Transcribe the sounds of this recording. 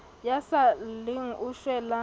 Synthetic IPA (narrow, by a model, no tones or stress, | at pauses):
jasaliŋ̩ʔuʃwɛla